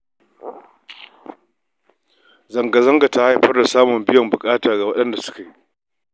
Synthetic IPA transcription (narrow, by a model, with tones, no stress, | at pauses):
zɐ˨ŋɡa˨zɐ˦ŋɡa˨ta˦ha˦jɸɐ˦rda˨saː˦mʊ˨mbɪ˦jɐ˨mbʊ˨kʼaː˦taː˨ɡa˨wɐ˦ɗɐ˦nda˨sʊ̥˦ka˨ji˦